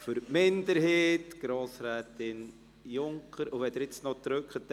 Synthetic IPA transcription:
fyɾmɪndəɾɦeːtɡ̥ɾoːsɾɛːtɪn | jʊŋkʰəɾʊʋɛd̪əɾɪt͡snɔt̪ɾøkχət

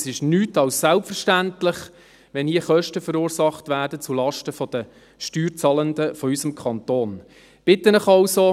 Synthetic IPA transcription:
sɪʃnyːtɑlssælpfəɾʃtæntlɪχ | ʋɛnhiːəχœʃtəfəɾuːɾsɑχtʋæːɾdət͡sulɑʃtəfɔd̥̪ə | ʃtyːɾt͡sɑːləndəfɔysəmkʰɑntoːn | b̥ɪt̪ːənəχɑʊso

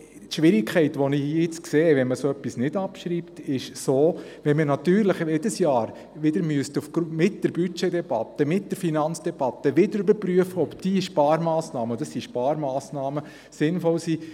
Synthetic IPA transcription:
tʃʋɪɾɪkʰχɛɪtʋɔnɪiɪt͡skseːʋɛnməsoœpːisnɪd̥ɑpʃɾiːptɪʃsoː | ʋɛnmənɑt̪yːɾləχjɛd̥əsjɑːɾ | ʋɪd̥əɾmyəstufɡmɪt̚d̥əɾbyt͡ʃɛdɛb̥ɑt̪ːəmɪt̚d̥əɾfinɑnt͡sd̥ɛb̥ɑt̪ːəʋɪdəɾybəɾpɾyəfəɔbd̥iːʃpɑːɾmɑːsnɑːməd̥ɑssiʃpɑːɾmɑːsnɑːmə | sɪnfɔlsiː

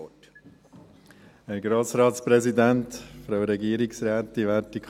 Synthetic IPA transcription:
t | hæɾɡɾoːsɾɑːtspɾɛsid̪æntfɾɑwɾɛɡiəɾiksɾæːt̪ːiʋæːɾtik

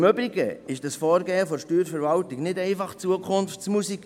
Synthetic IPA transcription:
mʏbɾiɡəɪʃd̥ɑsfɔːɾɡɛːəfɔʃtyːɾfɛɾvɑltɪɡnɪdɛɪfɑχt͡suəkʰʊnft͡smusik

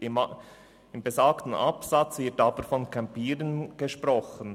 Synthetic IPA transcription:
ɪmbezaːktən̩ʔɑpsɑt͡svɪtɑːb̥əɾfɔnkʰɛmpiːɾənɡ̥eʃprɔχən

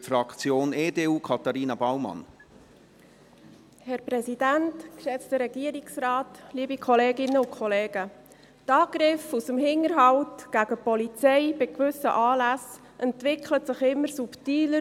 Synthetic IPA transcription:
fɾɑkt͡sjoːneːdeːuːkʰɑt̪ɑɾiːnɑbawmɑ̰n | hɛɾpɾɛsidæntkʃɛt͡stəɾɛɡ̥iːəɾɪksɾɑːtliːbikʰɔleːɡɪnːəʊnkʰχɔleːɡ̥ə | tɑːɡ̥ɾɪfusəmɦɪŋəɾɦɑwtɡ̥æɡəpɔlit͡sɛɪbɪkvʏsə̰ʔɑːlæs | ʔɛntʋɪkʰlətsɪχɪmːəɾsuptiːlə

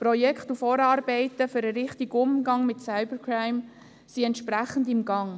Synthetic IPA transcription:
pɾɔjɛkχtufɔːɾɑːɾbɛɪtəfʏɾəɾɪχtiɡʊmɡɑŋmɪtsaɪbəɾkʰraɪm | siɛnt̪ʃpɾæχəndɪmɡɑŋ

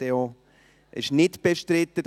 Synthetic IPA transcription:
eo | ʔɪ̰ʃnɪtb̥eʃtɾɪt̪ːəd

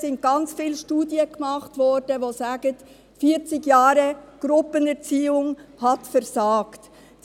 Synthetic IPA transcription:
sɪnt̚ɡ̥ɑnt͡sfiːlʃtuːdjəɡ̥mɑχtvɔɾd̥əʋozaːɡət | fiːt͡sɪɡjaːɾəɡ̥ɾʊpənɛɾt͡siːʊŋhɑtfɛɾzaːkt | d̥

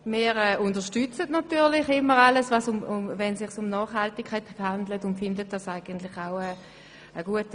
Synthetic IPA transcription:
mɪːʁɛʊntəɐʃtyt͡sətnatyːɐʁlɪχɪmːəʁaləsvɑsʊmʊvɛnsɪχsʊmnɑːχhaltikʰhaɛɪthandlətʊntfɪndət̚d̥ɑsaɪɡəntlɪχaʊə | əɡuət

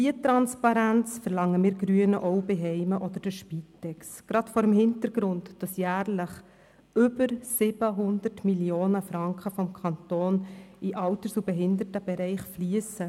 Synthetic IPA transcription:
iətɾɑnspɑɾænt͡sfəɾlɑŋːəmɪːɾɡ̥ɾyənəʔɔʊbeɦɛɪməʔɔd̪əɾd̥əʃpitːɛksɡ̥ɾɑtfɔɾəmhɪntəɾɡ̥ɾʊntd̥ɑsjæːɾləχ | ʏbəɾsɪb̥əɦʊndəɾtmiljoːnəfɾɑŋkχəfɔmkʰɑntoːniʔɑltəɾsubɛɦɪnd̪əɾtəb̥ɛɾɛɪχfliəsə

